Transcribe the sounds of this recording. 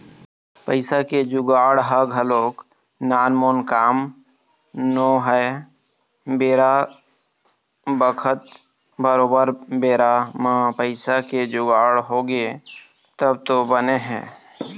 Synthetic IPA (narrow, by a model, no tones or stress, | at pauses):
pəɪsaked͡ʒʊɡaːɽɦəɡɦəloːk | naːnmoːnkaːm | noːɦɛ | beːɾa | bəkʰət̪ | bəɾoːbəɾbeːɾamãːpəɪsaked͡ʒʊɡaːɽɦoːɡe | t̪əbt̪obəneɦɛ̰̃ː